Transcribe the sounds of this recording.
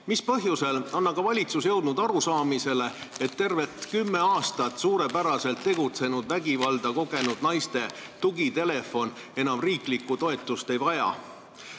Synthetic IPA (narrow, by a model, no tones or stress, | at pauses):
mispɤ̞ɦjuse̞lɑnːɑkɑvɑlʲit̪susjɤ̞wd̪̥nud̪ɑɾusɑːmise̞le̞et̪ːe̞rve̞t̪kymːe̞ɑːst̪ɑt̪ːˑsuːɾe̞pæɾɑse̞lt̪ːe̞ɡut̪se̞nud̪væɡivɑld̪̥ɑko̞ɡe̞nud̪nɑjst̪e̞t̪uɡit̪e̞le̞fo̞n | e̞nɑmriːklikːut̪o̞e̞t̪ːˑust̪e̞jvɑjɑ̰